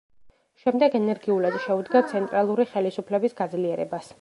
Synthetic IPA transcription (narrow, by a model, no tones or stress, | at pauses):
ʃɛmd̪ɛɡɛnɛɾɡiulad̪ʃɛud̪ɡat̪sʰɛnt̪ʼɾalˠuɾiχɛlisupʰlɛbisɡad̪zliɛɾɛ̰bas